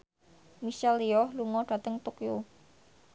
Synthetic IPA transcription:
misɛliɔhluŋɔɖ̥a̤t̪əŋt̪okjo

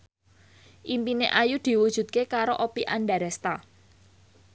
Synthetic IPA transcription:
ʔimpineʔajud̪̥i̤wud̥ʒ̥ṳt̪̚kekaɾoʔopiʔanɖaɾɛst̪a

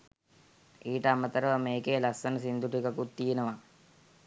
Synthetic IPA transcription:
iːʈəamət̪əɾəʋəmeːkeːlasːənəsind̪uʈikɐkut̪ːijenəʋa

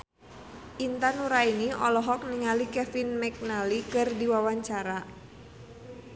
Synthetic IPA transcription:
ʔint̪anuɾainiɔlɔɦɔk̚niŋalikɛfinmɛk̚nalikɨrdiwawaɲt͡ʃaɾa

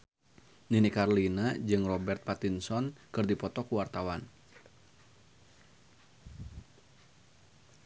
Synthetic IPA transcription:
ninikarlinad͡ʒɨŋrɔbɛrt̪̚pat̪insɔnkɨrdipɔt̪ɔkuwart̪awan

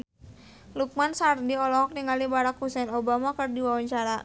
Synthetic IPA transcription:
luk̚mansardiɔlɔɦɔk̚niŋalibaɾakhusɛnobamakɨrdiwawaɲt͡ʃaɾa

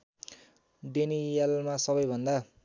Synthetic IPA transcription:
d̪enijalmasʌβʌjbʱʌnd̪a

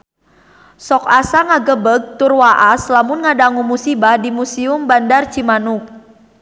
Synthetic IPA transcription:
sɔkasaŋaɡəbəɡ̚t̪ʊrwaʔaslamʊnŋadaŋumusibahdimusiʊmbandart͡ʃimanʊk̚

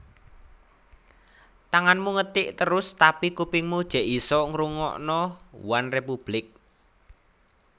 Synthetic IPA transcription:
t̪aŋanmuŋət̪ɪʔt̪əɾʊst̪apikupɪŋmud̥ʒ̥ɛ̤ʔisɔŋɾuŋɔ̰ʔnɔwanrepub̥lɪk̚

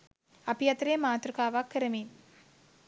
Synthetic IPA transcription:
ɐpijɐt̪ɾeːmaːt̪ɾukaːʋaːkːɪɾɐmiːn

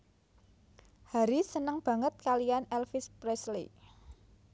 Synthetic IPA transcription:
haɾisənəŋb̥ä̤ŋət̪̚kalijanɛlfɪspɾɛslḭ

